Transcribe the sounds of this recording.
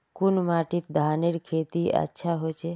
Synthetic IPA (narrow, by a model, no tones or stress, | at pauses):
kunmaːʈit̪̚d̪ʱaːneɾkʰet̪iə̰tːʃʰaɦot͡ʃʰe